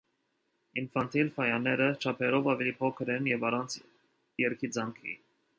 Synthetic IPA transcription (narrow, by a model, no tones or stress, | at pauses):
infɑnt̪ʰilfɑjɑnɛɾət͡ʃʰɑpʰɛɾɔvɑvɛlipʰɔkʰəɾɛnjɛvɑrɑnt͡sʰ | jɛɾkʰid͡zɑŋkʰḭ